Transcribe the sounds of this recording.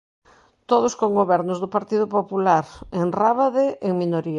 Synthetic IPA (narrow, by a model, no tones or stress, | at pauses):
t̪oð̞ʊskoŋɡoβɛɾnʊzðʊpaɾt̪iðʊpopulaɾeŋraβaðeʔeŋminoɾia